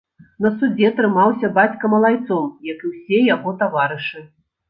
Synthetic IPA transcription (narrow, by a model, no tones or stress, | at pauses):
nɐsud͡zʲɛt̪ɾɨmawsʲɐbat͡sʲkɐmɐlˠajt̪sɔmjɐkɨwsʲɛjaɣɔt̪avaɾɨʂɨ